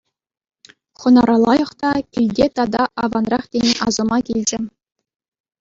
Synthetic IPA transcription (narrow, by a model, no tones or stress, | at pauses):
χɤ̆nɑɾɑlˠɑjɤ̆χt̪ɑkʲilʲdʲet̪ɑd̪ɑʔɑvɑnrɑχtʲenʲeʔɑzɤ̆mɑkʲilʲd͡ʑɘ̆